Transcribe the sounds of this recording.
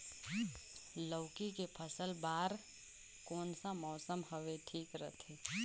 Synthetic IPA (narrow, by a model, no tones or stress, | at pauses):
ləːkikepʰəsəlbaːɾ | kɔːnsamɔːsəmhəʋeʈʰiːkɾə̰t̪ʰeː